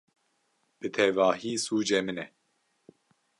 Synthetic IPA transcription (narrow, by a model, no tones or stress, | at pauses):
b̥ɨt̪ʰɛvaːɦiːsuːd͡ʒɛmɨnɛ